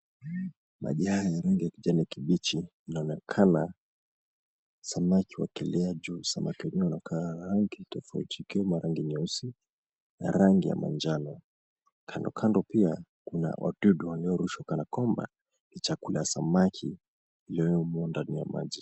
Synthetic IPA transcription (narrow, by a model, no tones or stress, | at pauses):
ma̰ʄihajajaɾaŋɡijakiʄaniakiɓit͡ʃiː | naɔnɛkʰana | samakʰiwa̰kɛlɛad͡ʒuːsamakiwɛɲɛwɛunakʰaːɾaŋɡitɔfaṵtʰikiɔmaɾaŋɡiɲɔsi | na̰ɾaŋɡija̰ma̰nd͡ʒanɔ | kʰandɔ̰kʰandɔpiakuna̰wʔa̰ɗuɗuwaliɔɾuʃwakanakwɔmba̰ | nit͡ʃakulajasamakʰiː | liɔwɛumɔndanija̰ma̰ʄi